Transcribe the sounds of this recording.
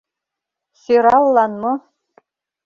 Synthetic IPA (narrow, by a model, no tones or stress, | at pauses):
siɾɑlˠːɑnmɤ̆